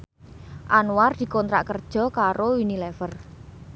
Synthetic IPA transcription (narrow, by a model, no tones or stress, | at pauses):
ʔanward̪̥i̤kɔnt̪ɾa̰ʔkərd̥ʒ̥ɔ̤kaɾowinilɛfər